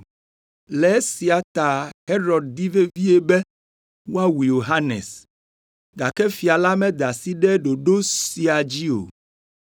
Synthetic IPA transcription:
lɛ˨˦si˨a˨t̪a˨he˦ɾɔ˨d̪̚d̪i˦ve˦vi˦e˦bɛ˦ | wo˦a˦wi˨jo˨ɦa˦nɛ̰˨s | d̪a˨kɛ˦fi˨a˨la˦mɛ̃˦d̪a˨si˦ɖɛ˦ɖo˨ɖo˦si˨a˨d͡ʑi˦o̰˨

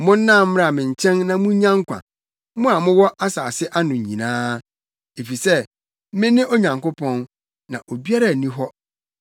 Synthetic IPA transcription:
mʊ̃˦n̩˦nã˦˨m̩̃ː˦ɾa˨mɪ̃˨ɲ̩˨t͡ɕʰɛ̃˦nnã˨mʊ̃˦ɲã˦ŋ˦kʷʰã̰˨ | mʊ̃˦a˨mʊ̃˦wɔ˦ʔa˦saː˨sɪ˦ʔa˦nʊ̃˨ɲ̩˨ɲĩ˨nãː˦ | e˨fi˨sɛ˦ | mɪ̃˦nɪ̃˦ʔɔ˦ɲã˨ŋkʊ˦pʰɔ̃˦n | nã˨ʔo˨bi˦a˦ɾa˨nĩ˦ɦɔ˦

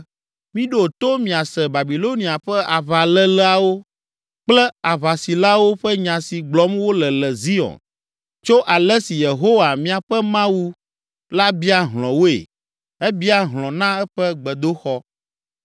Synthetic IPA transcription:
mĩ˦ɖo˦˨t̪o˦mĩ˨a˨sɛ˨ba˨bi˨lo˦nĩ˨a˨ɸɛ˦ʔa˨βa˨lɛ˦lɛ˦a˨wo˦ | k͡plɛ˦a˨βa˨si˨la˦wo˦ɸɛ˦ɲã˨si˨ɡ͡blɔ˦mwo˦lɛ˨lɛ˨zi˦ɔ̰˨n | t͡ʃo˦ʔa˨lɛ˦si˨je˨ɦo˦wa˨mĩ˦a˨ɸɛ˦mã˦wu˦ | la˦bi˦a˦ɦlɔ̃˨wo˦ḛ˨ | ɛ˦bi˦a˦ɦlɔ̃˨nã˦ɛ˦ɸɛ˦ɡ͡bɛ˨d̪o˦xɔ˦

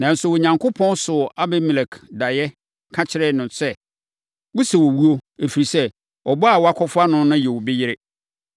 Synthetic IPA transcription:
nã˨n̩˨sʊ˨wɔ˨ɲã˨ŋkʰʊ˦pʰɔ̃˦nsʊ˨ʔa˦bɛ˦mi˨lɛ˨kʰda˨jɛ˦ | kʰã˦t͡ɕʰɪ˦ɾɛ˦nʊ̃˨nsɛ˦ | wʊ˦sɛ˨wɔ˨wu˦o˦e˨fi˨ɾi˨sɛ˦ | ɔ˨bɔ˦a˨wɔ˨˦a˦kʷʰɔ˦fʊ˦a˦nʊ̃˦nʊ̃˦jɛ˨wʊ˨bɪ˦jɪ˦ɾɪ˦

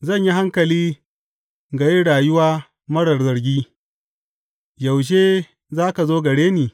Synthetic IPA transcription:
zɐ˦˨ɲji˦ɦa˦ŋkɐ˨liː˦ | ɡɐ˨ji˦ɽaː˨jʊ˦waː˦ | mɐ˦ɽɐ˨rzɐ˨ɾɡʲiː˦ | jɐ˨wʃ̬eː˦ | zaː˦ka˨zoː˦ɡɐ˨ɽeː˦niː˨

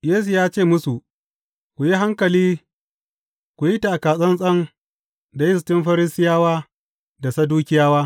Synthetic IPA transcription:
jeː˦s̬u˨jaː˦t͡ʃeː˦˨mʊ˦su˨ | kʷu˨ji˦ɦa˦ŋkɐ˨liː˦ | kʷu˨ji˦ta˨ʔa˨kaː˨sʼɐ˦nsʼɐ˦ŋ | da˨jɪ˦˨s̬tɪ˦mɸɐ˦ɾɪ˦sɪ˦jaː˦waː˦ | da˨sɐ˦duː˦kʲɪ˦jaː˦waː˦

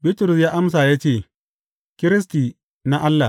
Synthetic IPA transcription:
bɪ˦tʊ˨ɾʊ˨sjaː˦ʔa˦ms̬aː˨jaː˦t͡ʃeː˦˨ | kʲɪ˦ɾɪ˦s̬tiː˨ | na˦ʔa˦lːa˨

